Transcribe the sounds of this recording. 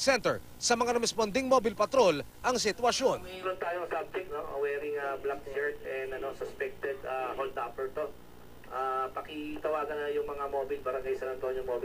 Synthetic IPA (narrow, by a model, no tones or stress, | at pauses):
sɛnt̪ɛ̰ɹ | sɐmɐŋaɾɛmɛspond̪ɪŋmoːbɪlpɐt̪ɾo̞lʔɐŋsɪt̪wɐʃjo̞nɾʊnt̪aːjoŋsab̚d͡ʒɛk̚t̪̚noʔɐ̰wɛːɾɪŋɐblak̚t͡ʃɛɹt̪ɛnd̪ɐno̞sɔspɛk̚t̪ɛd̪ɐɦolt̪aːpɛɹt̪o̞ | ʔapɐkɪt̪ɐwaːɡɐnjʊŋmɐŋamoːbɪlbɐɾɐŋɡajsɐnɐnt̪oonjʊŋmoːbɪ